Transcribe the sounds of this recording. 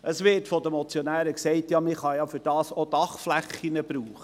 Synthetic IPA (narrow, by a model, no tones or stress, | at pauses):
ʔəsʋɪːtfɔd̪əmɔt͡sjɔnæːɾəksɛɪtjɑmɪχɑjɑfyɾd̥ɑːsod̥ɑχflæχːinəbɾuːχə